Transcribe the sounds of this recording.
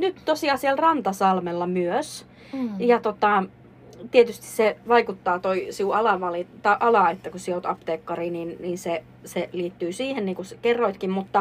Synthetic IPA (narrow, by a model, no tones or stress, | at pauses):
nyt̪t̪osiɑːsielrɑnt̪ɑsɑlmelːɑmyøs | jɑt̪ot̪ɑ | t̪iet̪yst̪i̥sseʋɑikut̪ːɑːt̪oisiuɑlɑˑʋɑlit̪ɑʔɑlɑet̪ːækusiot̪ɑpt̪eːkːɑriːniːnniːnse | seliːt̪ːyːsiːhenniːŋkuskerːoit̪kimmut̪ːɑ